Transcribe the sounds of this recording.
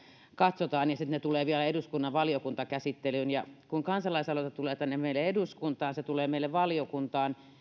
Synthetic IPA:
kɑt̪sot̪ɑːnjɑsit̪net̪uleːʋiælæeduskunːɑʋʋɑljokunt̪ɑkæsit̪ːelynjɑkuŋkɑnsɑlɑisɑlot̪ɑt̪uleːt̪ænːemmeˑilːˑeeduskunt̪ɑːnset̪uleːmeˑileʋʋɑljokunt̪ɑːn

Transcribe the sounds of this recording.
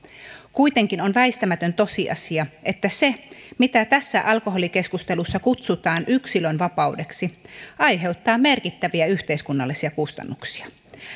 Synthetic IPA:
kuit̪e̞ŋkinonʋæist̪æmæt̪ønt̪o̞siʔɑ̰siɑʔet̪ːæsemit̪æt̪æsːæʔɑlkoɦo̞like̞skust̪e̞lusːɑkut̪sut̪ɑːnyksilønʋɑpɑude̞ksiɑjɦe̞ut̪ːɑːme̞rkit̪ːæʋiæyht̪eiskunːɑlːisiɑkust̪ɑ̰nːuksi̥ɑ

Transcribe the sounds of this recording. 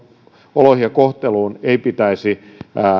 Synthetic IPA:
olohiɑkoht̪eluːneipit̪æisi

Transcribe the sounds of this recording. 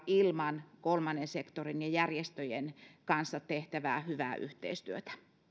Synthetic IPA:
ilmɑnkolmɑnːensekt̪orinjɑjærjest̪øjenkɑnsːɑtt̪eht̪æʋæːhyʋæːʔyht̪ḛist̪yøt̪æ̥

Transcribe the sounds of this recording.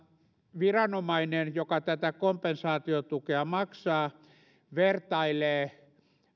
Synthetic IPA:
ʋirɑnomɑinenjokɑt̪æt̪ækompensɑːt̪iot̪ukeɑmɑksɑː | ʋert̪ɑileː

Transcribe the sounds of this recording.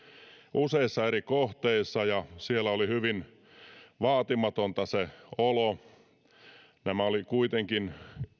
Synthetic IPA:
ʔuseisːɑeɾikoht̪eisːɑjɑsielːæolihyʋin | ʋɑːt̪imɑt̪ont̪ɑseolo | næmæolikuit̪eŋkin

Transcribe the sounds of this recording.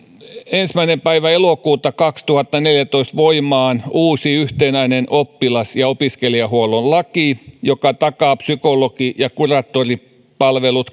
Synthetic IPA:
ensmæinempæiʋæelokuːt̪ɑkɑkst̪uhɑt̪ːɑneljæt̪oist̪ʋoimɑːnuːsiyht̪enæinenʔopːilɑsjɑopiskeliɑhuolollɑkijokɑt̪ɑkɑːpsykolokijɑkurɑːt̪ːori | pɑlʋelut̪

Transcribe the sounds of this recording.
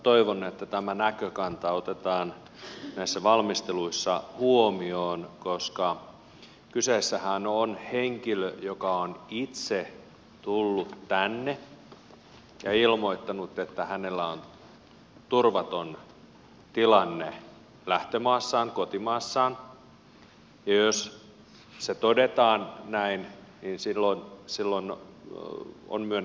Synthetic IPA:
t̪oiʋonːet̪ːæt̪æmænækøkɑnt̪ɑot̪et̪ɑːn | næisːæʋɑlmist̪eluisːɑhuomioːnkoskɑ | kysesːæhænonheŋkiløjokɑonit̪se | t̪ulːut̪tænːe | jɑilmoit̪ːɑnut̪ːet̪ːæhænelːæon | t̪urʋɑt̪on | t̪ilɑnːe | læht̪emɑːsːɑːŋkot̪imɑːsːɑːn | jɑjos | set̪odet̪ɑːnnæinninsilːonsilːon | o̰nmyøn

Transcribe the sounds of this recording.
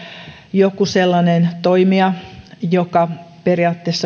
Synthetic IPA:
jokuselːɑnent̪oimiɑjokɑperiɑːt̪ːeːsːɑ

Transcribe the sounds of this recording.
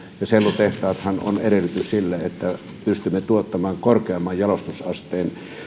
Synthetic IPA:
jɑselːut̪eht̪ɑːt̪hɑno̰neɾelyt̪yssilːæet̪ːæ | pyst̪ymːet̪uot̪ːɑmɑːŋkorkeɑmːɑjjɑlost̪usɑst̪ˑeːn

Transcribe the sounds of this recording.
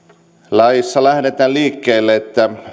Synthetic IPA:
lɑjisːɑlæhɾet̪æːlliːkːeːlːeet̪ːæ

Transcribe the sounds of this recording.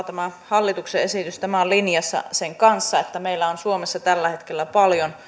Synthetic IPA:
t̪æmæhɑlːit̪ukseesit̪yst̪æmælinjɑsːɑ̰seŋkɑnsːɑet̪ːæmeilːæonsuomesːɑt̪ælːæhet̪kelːæpɑljon

